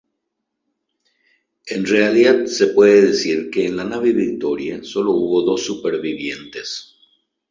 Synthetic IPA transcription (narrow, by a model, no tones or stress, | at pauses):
e̞nrealiðaðse̞pwe̞ðeðesiɾke̞ːnlanaβeβik̚t̪o̞ɾjaso̞lo̞uβo̞ðo̞sːupeɾβiβje̞nt̪e̞s